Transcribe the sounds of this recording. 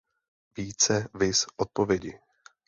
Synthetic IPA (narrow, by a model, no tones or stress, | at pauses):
viːt͡sɛvɪsʔot̪̚povjɛɟɪ